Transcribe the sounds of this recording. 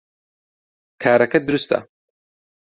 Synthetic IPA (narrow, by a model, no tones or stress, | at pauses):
kʰaːɾɐkɐd̪uɾust̪a̰